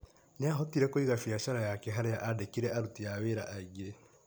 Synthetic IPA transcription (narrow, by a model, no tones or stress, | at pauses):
neaɦɔtiɾɛkoiɣafiaʃaɾajakɛɦaɾeaʔadekiɾɛaɾutiaweɾaʔaiɣe